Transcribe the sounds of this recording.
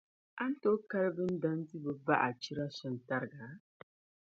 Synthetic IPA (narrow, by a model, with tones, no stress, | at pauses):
a˦n̩˦toː˦ka˦ɾbɨ˦n̩˦da˦n˦di˦bɨ˨ba˦ʔa˨t͡ʃi˦ɾa˦sɛ˦n˨ta˦ɾɨ˨ɡa˨˦